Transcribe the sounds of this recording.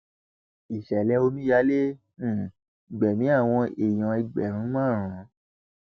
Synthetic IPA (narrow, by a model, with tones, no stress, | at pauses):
i˨ʃɛ˨lɛ˧˦o˧mĩ˦ja˨˦le˦˨ | i˨ɡ͡bɛ˨mĩ˨˦a˦˨w̃ɔ̃˧e˨j̃ɔ̃˨˧i˧ɡ͡bɛ˨ɾ̃ũ˨˦mãː˦˨ɾ̃ã˨˦